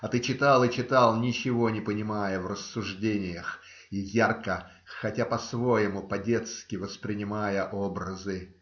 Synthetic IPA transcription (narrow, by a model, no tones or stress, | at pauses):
ɐt̪ɨt͡ɕɪt̪alˠɨt͡ɕɪt̪ɑlˠnʲɪt͡ɕɪvo̞nʲɪpənʲɪmajəvrəsːʊʐdʲenʲɪjəx | ijarkə | xɐtʲapɐsvo̞jɪmʊpɐdʲe̞t̪skʲɪvəspɾʲɪnʲɪmajəʔobɾəzɨ